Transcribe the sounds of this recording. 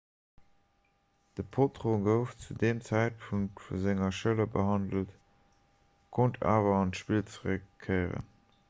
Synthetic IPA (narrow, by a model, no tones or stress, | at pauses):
d̥əpʰotʁoɡəʊft͡sudeːmt͡sæɪt̚pʰuŋktfṵzɪŋɐʃələbəhɑndəlt | kʰontʰa̰ːvɐɑntʃpilt͡səʁəkʰːɜɪʁə̰n